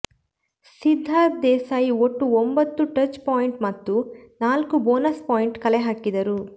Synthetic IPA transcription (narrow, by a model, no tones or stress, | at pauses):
sid̪ʱːaːɾd̪ɛːsaːjioʈːuombɐt̪ːuʈɐt͡ʃpaːjiɳʈmɐt̪ːunaːlkuboːnɐspaːjiɳʈkɐleɦakːid̪ɐɾu